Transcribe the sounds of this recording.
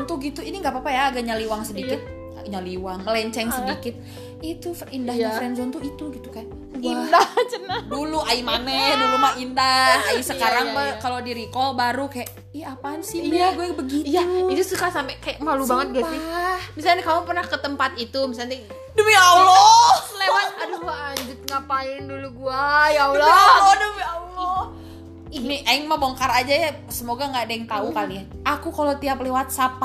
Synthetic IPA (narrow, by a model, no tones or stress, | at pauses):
nt̪uɡit̪uiniŋɡaʔpapajaːɡaʔɲaliwaŋsədikɪt̪̚ | ɲaliwaŋəlɛɲt͡ʃɛŋsədikɪt̪̚ | it̪ufindahafɾɛnzɔnt̪uit̪uɡit̪ukaja | idat͡ʃənaduluʔaimanɛhdulumaindahaisəkaɾaŋbəkalodiɾikɔlbaɾukajaʔ | iaapansiaɡuɛbəɡiait̪usukasampɛkajaʔmalubaŋət̪̚ɡasaiahmisalnkamupərnahkət̪əmpat̪it̪umisat̪i | dəmialɔlewat̪̚aduŋaaɲd͡ʒʊt̪̚ŋapaɪnduluɡuajaulɔalɔdəmiaulɔ | niaiŋmaboŋkaɾad͡ʒaja | səmoɡaŋɡadɛŋt̪aukaliaakukalot̪iaplewat̪̚sapa